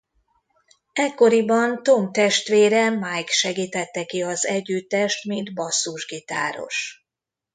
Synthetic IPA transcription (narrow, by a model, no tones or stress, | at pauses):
ɛkːo̞ɾibɒnt̪o̞mt̪ɛʃt̪ʋeːɾɛmajkʃɛɡiːt̪ɛt̪ːɛkiɒzɛɟːyt̪ːɛʃt̪mind̪bɒsːuʒɡit̪a̰ːɾo̞̰ʃ